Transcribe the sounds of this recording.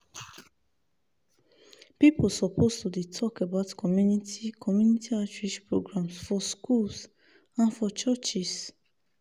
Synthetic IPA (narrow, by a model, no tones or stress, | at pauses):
pipolsɔpʰostudetʰɔkabaʊtkɔmjunitʰikʰɔmjũnitʰiat͡ʃɹiʃpɹoɡɹãmsfɔskuls | ãnfɔt͡ʃət͡ʃis